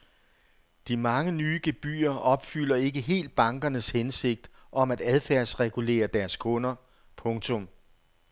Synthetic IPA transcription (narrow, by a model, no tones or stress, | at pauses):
d̥imɑ̈ŋənyːɡ̥e̝b̥y̰ːɐʔɒ̽b̥fyl̰ɐe̝ɡ̥əɦe̝̰ːld̥̚b̥ɑ̈ŋɡ̥ɐnəshense̝ɡ̥̚d̥ʔɒ̽mæd̥æð̞ˠfæɐ̰sʁɛɡ̥ule̝̰ːɐd̥æɐskʰɔ̽nɐ | pʰɔ̽ŋt͡sʰɔ̽m